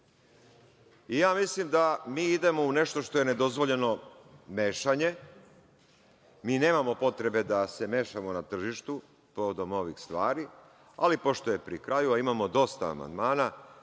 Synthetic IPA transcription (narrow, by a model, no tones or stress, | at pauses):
ijaːmislimd̪amiːid̪e̞mo̞une̞ʃt̪o̞ʃt̪o̞je̞ne̞d̪o̞zʋo̞ʎe̞no̞me̞ːʃaɲe̞ | miːne̞ːmamo̞po̞t̪ɾe̞be̞d̪ase̞me̞ːʃamo̞nat̪r̩ʒiʃt̪u | po̞ʋod̪o̞mo̞ʋixst̪ʋaːɾi | a̰lipo̞ʃt̪oje̞pɾikɾajuaimamo̞d̪o̞st̪a̰ːma̰nd̪maːna